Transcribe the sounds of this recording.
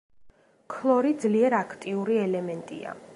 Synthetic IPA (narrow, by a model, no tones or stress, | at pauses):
kʰlˠɔɾid̪zliɛɾakʰt̪ʼiuɾiɛlɛmɛnt̪ʼḭa̰